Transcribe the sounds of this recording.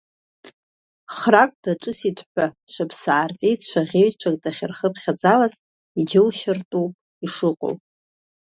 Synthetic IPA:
χrakʼd̥aʈ͡ʂʼɨsitʰʼħʷaʃʷapʰsaːrt͡sʼijt͡ʃʷʰaʁʲeɥt͡ʃʷʰakʼdaχʲɪrχəpʰχʲad͡zalaz | id͡ʒɪwʃɪrtʼuwpʼ | iʂɨqʷʼo̰wpʼ

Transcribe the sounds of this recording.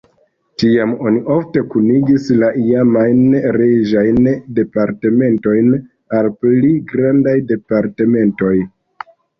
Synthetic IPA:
tiamo̞niʔo̞fte̞kuniɡislaʔiamajnɾed͡ʒajnde̞paɾte̞me̞nto̞jn | alpliɡɾandajde̞paɾte̞me̞nto̞j

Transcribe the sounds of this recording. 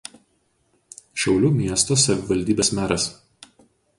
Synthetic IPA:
ʃʲɛʊlʲuːmʲiɛst̪oːsɐʋʲɪʋɐlʲd̪ʲiːbʲeːsmʲæːɾɐs

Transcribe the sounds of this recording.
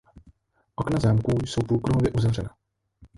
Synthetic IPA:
ʔo̞knazaːmkuːjso̞wpɾuːkɾoɦovjɛʔuzavr̝ɛna

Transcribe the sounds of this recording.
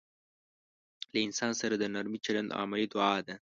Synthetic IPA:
laɪnsɑnsaɾad̪ənaɾmit͡ʃaland̪ɑ̰mɪlid̪ʊʕɑd̪a

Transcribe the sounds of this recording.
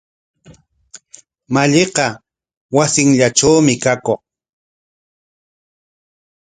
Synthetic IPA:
maʎeqɑ | wasɪŋʎaʈ͡ʂawmɪkakoχ

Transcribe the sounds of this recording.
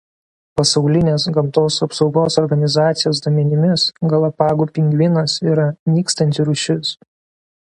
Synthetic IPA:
pɐsɐʊlʲɪnʲeːsɡɐmˑt̪oːsɐpsɒʊɡoːsɔɾɡɐnʲɪzɑːt̪sʲɪjoːs̬d̪oːmʲɛnʲɪmʲɪsɡɐlˠɐpɑːɡuːpʲɪŋʲɡʋʲɪnɐsiːɾɐnʲiːkst̪ɐnʲt̪ʲɪɾʊʃʲɪs

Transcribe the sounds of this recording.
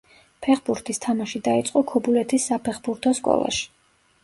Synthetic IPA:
pʰɛχbuɾt̪ʰist̪ʰamaʃid̪ait̪sʼqʼɔkʰɔbulɛt̪ʰisːapʰɛχbuɾt̪ʰɔskʼɔ̰lˠa̰ʃi̥

